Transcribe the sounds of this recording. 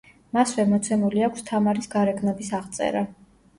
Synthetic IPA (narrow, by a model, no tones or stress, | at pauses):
masvɛmɔt̪sʰɛmuliakʷʰst̪ʰamaɾisɡaɾɛɡnɔbisaʁt̪sʼɛ̰ɾa